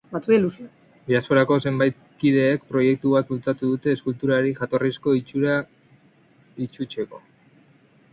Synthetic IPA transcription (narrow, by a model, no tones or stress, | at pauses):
bat͡suilusia | biaspo̞ɾako̞se̞mbajt̪̚ | kiðe̞ːkpɾo̞je̞k̚t̪uβat̪ult͡sat̪uðut̪e̞ːskult̪uɾaɾiʝat̪o̞risko̞it͡ʃuɾa | it͡ʃut͡ʃe̞ko̞̰